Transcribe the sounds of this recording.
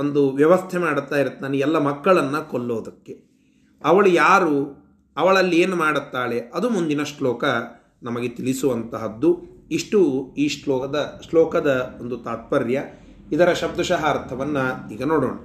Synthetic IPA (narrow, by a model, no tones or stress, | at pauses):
ond̪uʋjɐʋɐst̪ʰemaːɽt̪ːaːjiɾut̪ːaːneɛlːɐmɐkːɐɭɐnːɐkolːoːd̪ɐkːe̞ | ɐʋɐɭujaːɾu | ɐʋɐɭɐlːieːnumaːɽut̪ːaːɭe̞ɐd̪umund̪inɐʂlɔːkɐ | nɐmɐɡe̞t̪iɭisuʋɐnt̪ɐɦɐd̪ːuiʂʈuiːʂlɔːɐd̪ɐʂlɔːkɐd̪ɐond̪ut̪aːt̪̚pɐɾjɐ | id̪ɐɾɐʃɐb̚d̪uʃɐɦaːɾt̪ʰɐʋɐnːɐiːɡɐnoːɽoːɳɐ